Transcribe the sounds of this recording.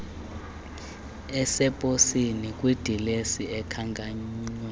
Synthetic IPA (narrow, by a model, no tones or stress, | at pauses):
ɛsɛpʼosinikʼwid̥ʱilesiɛkʰaŋkʼaɲiwɛ